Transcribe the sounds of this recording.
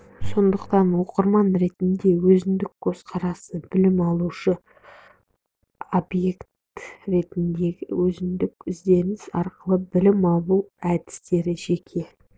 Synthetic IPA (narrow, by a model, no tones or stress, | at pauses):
so̞nd̪əqt̪ɑnwo̞qəɾmɑnɾe̞t̪ɪnd̪e̞wɵzɪnd̪ɪkkʰːøsqʰɑɾɑsəbɪlɪmɑlˠuʃə | obje̞kt̪ | ɾe̞t̪ɪnd̪e̞ɡʲɪwɵzɪnd̪ɪkʲʏzd̪e̞nɪsɑɾqəlˠəbɪlɪmɑlˠuæd̪ɪ̥st̪e̞ɾɪʒe̞kʲʰe̞